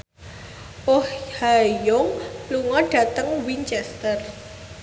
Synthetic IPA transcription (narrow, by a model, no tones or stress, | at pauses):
ʔohhajʊŋluŋɔɖ̥ä̤t̪əŋwint͡ʃɛst̪ər